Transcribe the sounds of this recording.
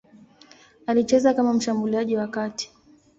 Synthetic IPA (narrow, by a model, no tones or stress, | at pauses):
alit͡ʃɛzakamam̩ʃambuliaʄiwakati̥